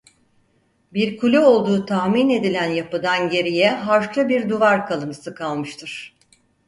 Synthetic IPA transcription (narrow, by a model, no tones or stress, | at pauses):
biɾkʰulʲɛo̞lˠd̪uːt̪ʰahmine̞d̪ilʲænjapɯd̪anɟe̞ɾijɛɦaɾʃlˠɯbiɾd̪uvaɾkʰalˠɯnɯsɯkʰalˠmɯʃt̪ʰɯɾ̥